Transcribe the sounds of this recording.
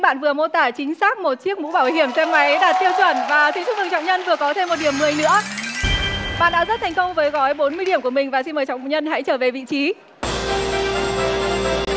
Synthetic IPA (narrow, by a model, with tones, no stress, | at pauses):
ɓa̰ː˧˨nvɨ˨˩əmo˧t̪aː˧˩t͡ɕï˨˦ŋ̟saː˦˥k̚mo˨˩t̚t͡ɕi˦˥ək̚mṵ˧˥ɓaː˧˩whi˧˩əŋsɛ˧mːa˨˦jɗaː˨˩t̚t̪i˧əwt͡ɕwə˧˩nvaː˨˩t̪ʰi˨˦ŋfʊ˦˥vɨ˨˩t͡ɕɔ̰˧˨ŋ͡mɲə˧nvɨ˨˩əkɔ˨˦t̪ʰe˧mːo˨˩t̚ɗi˧˩əmːɨ˨˩əjnɨ̰˧˥ə | ɓa̰ː˧˨nɗa̰ː˧˥zə˦˥t̪ʰjŋ̟kə˧wŋ͡mvəː˨˦jɣɔ˨˦jɓo˨˦nmɨ˧əjɗi˧˩əmku˧˩əmï˨˩ŋ̟vaː˨˩si˧nməː˨˩jt͡ɕɔ̰˧˨ɲə˧nɦa̰˧˥jt͡ɕəː˧˩ve˨˩vḭ˧˨t͡ɕi˨˦